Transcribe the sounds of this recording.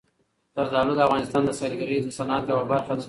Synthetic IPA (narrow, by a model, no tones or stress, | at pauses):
t̪əɾd̪ɑlod̪əafɣɑnɪst̪ɑnd̪əsɑlɡaɾizosanɑat̪jawabaɾxa